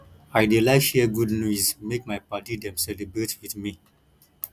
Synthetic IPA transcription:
aɪdelaɪʃɛɡudnjuzmekmaɪpatidɛ̃msɛlibɾetwiθmi

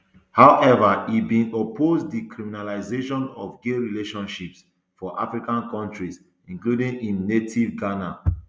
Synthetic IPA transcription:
hawʔɛvaibĩnopʰozdikɹiminalaɪzeʃɔ̃nɔvɡeɹileʃɔ̃nʃips | fɔʔa̰fɹikãnkɔ̃ntɹis | ĩŋkludĩŋĩnːetʰivɡana

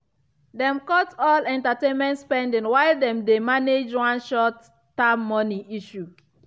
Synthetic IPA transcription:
dɛ̃mkɔtɔlɛ̃ntatẽnmɛ̃ntspɛ̃ndĩŋwaɪldɛ̃mdemaned͡ʒwãnʃɔtː | amːɔniʔiʃu

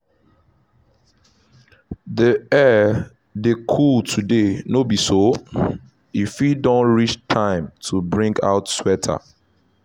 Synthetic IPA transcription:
diɛ | dekʰultʰudenobiso | ifidɔ̃nɹit͡ʃtʰãɪ̃mtʰubɹĩŋɡa̰ʊtswɛtʰa̰

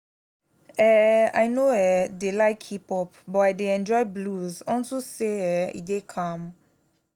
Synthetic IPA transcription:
ɛa̰jnoɛdelajkʰipɔpbɔajdeɛ̃nd͡ʒɔjbluzɔnsoseɛḭdekʰãm

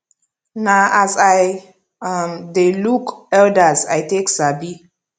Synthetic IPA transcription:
naʔazaj | amdelukɛldəzajteksabi

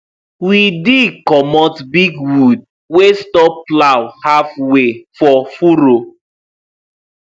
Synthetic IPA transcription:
widikɔmɔtbiɡwud̚ | westɔpːlawhafwefɔfuɾo

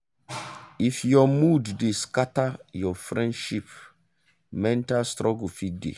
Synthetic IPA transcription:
ifjɔmuddeskatajɔfɾɛ̃ndʃip | mɛ̃ntalstɾʔɔɡufit̚dḛ

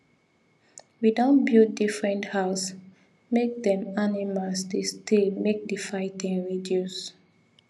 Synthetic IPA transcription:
widãnbilt̚difɹɛ̃nthaʊs | mek̚dɛ̃manimalsdestilmek̚dəfaɪtĩŋɹidjus

